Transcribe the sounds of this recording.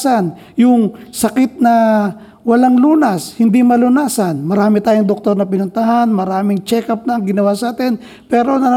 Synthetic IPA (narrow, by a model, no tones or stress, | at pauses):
sɐn | jʊŋsɐkɪt̪̚nɐ | wɐlaŋluːnɐshɪnd̪imɐlʊnaːsɐnmɐɾaːmɪt̪aːjʊŋd̪ok̚t̪o̞ɾnɐpɪnʊnt̪ɐɦanmɐɾaːmɪŋt͡ʃɛkɐp̚nɐːŋɡɪnɐwaːsaːt̪ɛn | pɛːɾo̞nɐ